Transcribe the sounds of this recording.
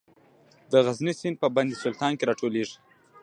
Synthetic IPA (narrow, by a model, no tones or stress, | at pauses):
d̪əɣaznisinpəband̪isʊlt̪ɑnkeɾɑʈoleʐi̥